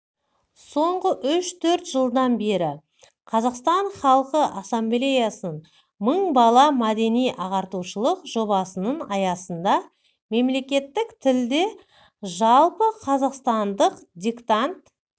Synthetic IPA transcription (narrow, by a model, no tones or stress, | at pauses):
so̞ɴʁəʔʏʃt̪ʰɵɾt̪ʒ̥əlˠd̪ɑnbe̞ɾɪ | qʰɑzɑqst̪ɑɴχɑlˠqəʔɑsamblʲe̞jasən | məɴbɑlˠɑmæd̪e̞nijʔɑʁɑɾt̪uʃəlˠəqʒo̞bɑsənəɴɑjɑsənd̪ɑ | me̞mle̞kʲe̞t̪ːɪkt̪ʰɪld̪e̞ | ʒɑlˠpəqʰɑzɑqst̪ɑnd̪əqd̪ʲikt̪ant̪